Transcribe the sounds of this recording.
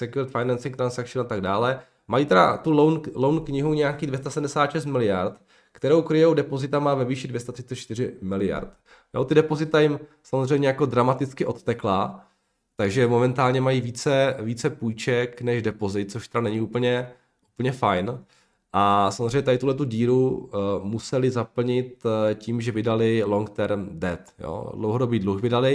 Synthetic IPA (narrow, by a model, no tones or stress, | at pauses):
sɛkjuɾɪt̪fajnansɪŋt̪ɾansakʃɪnat̪aɡdaːlɛ | majit̪ɛda̰t̪ulownlownkɲɪɦuɲɛjakiːdvjɛst̪asɛdm̩dɛsaːt̪ʃɛs̬t̪̚mɪlɪjaɾt̪ | kt̪ɛɾowkɾɪjowdɛpo̞zɪt̪amaːvɛviːʃɪdvʲjɛs̬t̪at̪r̥ɪ̥t͡sɛt͡ʃt̪ɪɾɪmɪlɪja̰ɾt̪ | jo̰t̪ɪdɛpozɪt̪ajɪmsamozr̝ɛjmɲɛjako̞dɾamat̪ɪt͡skɪʔo̞t̪ːɛkla | t̪aɡʒɛmo̞mɛnt̪aːlɲɛmajiːviːt͡sɛviːt͡sɛpujt͡ʃɛknɛʒdɛpo̞zɪt̪̚t͡soʃt̪ɛɾanɛɲɪup̩ɲɛ | ʔupl̩ɲɛfajn | ʔasamzrejɲɛt̪adɪt̪uɦlɛt̪̬uɟiːɾumusɛlɪzapl̩ɲɪt̪cimʒɛvɪdalɪlo̞ŋkt̪ɛɾmdɛt̪jo̰dlowɦodo̞biːdluxvɪdalɪ